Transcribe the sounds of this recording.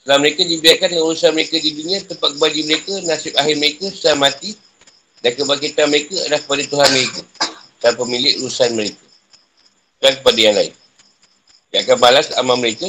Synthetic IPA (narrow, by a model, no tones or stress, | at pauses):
səlaməɾekadibiakandəŋaɾusanməɾekadidunĩãt̪əmpaʔkəbad͡ʒiməɾekanasɪp̚aɦɪməɾekasamat̪i | dankəbakit̪anməɾekaa̰lahkə̥padat̪uɦanməɾeka | sapəmilɪʔɾusanməɾeka | ukankəpadajaŋlaɪ̰n | ɡaʔkanmalasa̰maməɾeka